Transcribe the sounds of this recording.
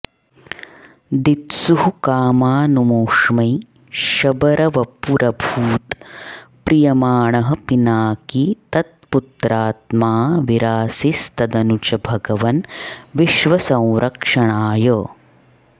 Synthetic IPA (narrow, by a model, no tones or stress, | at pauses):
d̪it̪suɦukaːmaːnumoːʂmɐj | ʃɐbɐɾʔɐʋɐpuɾɐbʱuːt̪pɾijɐmaːɳɐɦɐ̆pinaːkit̪ɐt̪̚put̪ɾaːt̪maːʋiɾaːsist̪ɐd̪ɐnut͡ʃɐbʱɐɡɐʋɐnʋiʃʋɐsɐ̃w̃ɾʔɐkʂɐɳaːjɐː